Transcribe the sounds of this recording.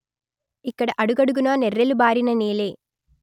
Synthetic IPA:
ikːɐɽeʔɐɽuɣɐɽuɣunaːnerelubaːɾinɐniːleː

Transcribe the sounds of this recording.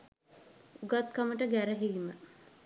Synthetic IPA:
uɡat̪̚kaməʈəɡæɾəɦiʋimə

